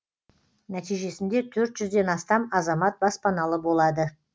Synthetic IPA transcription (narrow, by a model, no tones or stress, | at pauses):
næt̪ijʒe̞sɪnd̪e̞t̪ʰɵɾt̪ʒ̥ʏzd̪e̞nɑst̪ɑmɑzɑmɑt̪̚bɑspɑnɑlˠəbo̞lˠɑd̪ə